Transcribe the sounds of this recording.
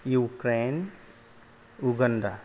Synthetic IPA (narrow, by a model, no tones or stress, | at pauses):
juːkɾeːn | uɡənɖ̪a